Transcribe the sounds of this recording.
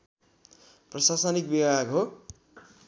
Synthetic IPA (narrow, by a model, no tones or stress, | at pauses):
prʌsasʌnik̚bibaɡɦo